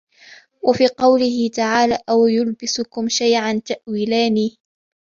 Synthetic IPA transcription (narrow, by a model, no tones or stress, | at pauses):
wafiːqɑwlɪhɪt̪aʕaːlaːʔawjʊlbɪsʊkʊmʃajʕant̪aʔwiːlaːniː